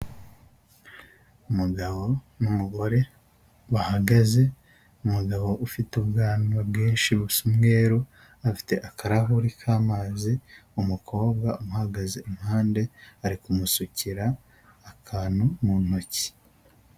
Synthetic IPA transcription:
umuɡaβo̞ | numuɡo̞ɾe̞ | βahaɡaze̞ | umuɡaβo̞ʔufitubɡaːnabɡeːnʃiβusumŋe̞ːɾu | afi̥te̞ʔakaɾaɦuɾikʰaːmaːziumukʰo̞ːbɡaumuhaɡazeumuhaːnde̞aɾikumusuciɾaː | kʰaːnhumunoci̥

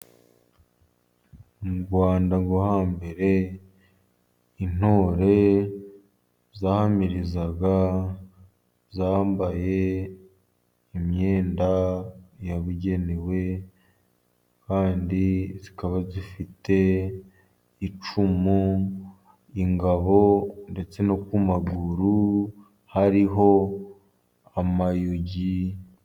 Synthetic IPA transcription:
uɡwaːndaŋɡo̞haːmbe̞ɾe̞ | in̥o̞ːɾe̞ | zaːhamiɾizaɡa | zaːmbaje̞ | imɲe̞ːndajaβuɟe̞newe̞ | kaːndizikaβazifite̞ | it͡ʃumu | iŋɡaβo̞nde̞t͡se̞no̞kumaɡuɾu | haɾiɦo̞ | amajoɟi

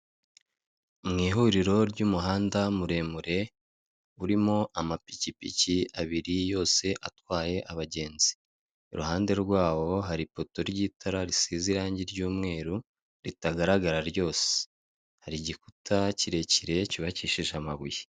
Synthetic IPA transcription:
umŋiːɦuːɾiɾo̞ɾɟumuɦaːndamuɾe̞muɾe̞ | uɾimo̞ʔamapicipḭciaβiɾijo̞ːse̞ʔatwaːje̞ʔaβaɟe̞ːnzi | iɾuhaːnde̞ɾɡwaːwo̞ɦaɾipo̞to̞ɾɟiːtʰaɾaɾisiziɾaːɲɟiɾɟuːmŋe̞ːɾu | ɾitaɡaɾaɡaɾaɾjo̞ːse̥ | haɾiɟikutʰaciɾe̞ciɾe̞ciβaciʃiʒamaβuje

